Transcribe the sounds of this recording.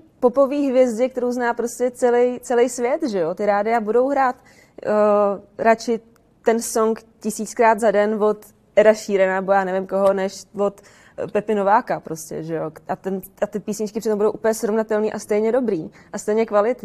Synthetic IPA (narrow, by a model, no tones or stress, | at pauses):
po̞po̞viːɦvjɛzdɪk̚t̪ɛɾowznaːpɾoscʲɛt͡sɛlɛjt͡sɛlɛjsvjɛt̪ʒɛjo̞t̪ɪɾaːdɪabudo̞wɦɾaːt̪ː | ɾat͡ʃɪ | t̪ɛnso̞ŋkcɪsiːt͡skɾaːd̪zadɛnvo̞t̪ | ʔɛɾaʃiːɾɛnanɛbojaːnɛvɪmko̞ɦo̞nɛʃvo̞t̪ | pɛpɪno̞vaːkapɾo̞scɛ̰ʒɛjo̞ʔat̪ɛnat̪ɪpiːsɲɪt͡ʃkɪpr̥ɪt̪ombudo̞wʔuːpəɲɛsɾo̞vnat̪ɛlniːʔast̪ɛjɲɛdo̞bɾiːʔast̪ɛjɲɛkvalɪt̪ɲ